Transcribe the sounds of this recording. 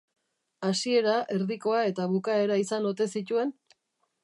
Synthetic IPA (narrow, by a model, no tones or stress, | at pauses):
asie̞ɾaʔe̞ɾðiko̞ae̞t̪aβukae̞ɾaisano̞t̪e̞sit̪ue̞n